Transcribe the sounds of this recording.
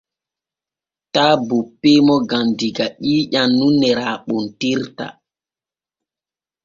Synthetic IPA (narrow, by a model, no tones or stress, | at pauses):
taːbupːemɔɡandiɡaɗiːʄanːunɛɾaːɓɔntiɾta̰